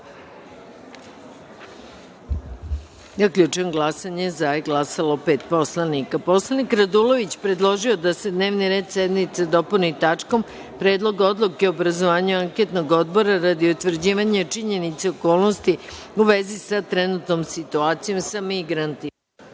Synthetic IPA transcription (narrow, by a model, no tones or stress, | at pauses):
zakʎut͡ʃenɡlˠasaɲezaeɡlasalo̞pe̞ːt̪po̞slˠanikapo̞slˠanikɾad̪ulo̞ʋit͡ɕpɾe̞d̪lˠo̞ʒio̞d̪ase̞d̪ne̞ːʋniɾe̞ːd̪sed̪mit̪sad̪o̞punit̪at͡ʂko̞m | pɾeːd̪lˠo̞ɡo̞d̪lˠukeobɾazoʋaːɲuaŋke̞t̪noɡo̞d̪bo̞ɾaɾad̪iut̪ʋr̩d͡ʑiːʋaɲat͡ʂiɲe̞nit̪seoko̞ːlˠnost̪iuʋezisat̪ɾenut̪no̞msit̪uaːt̪sijo̞msamiɡɾant̪imaa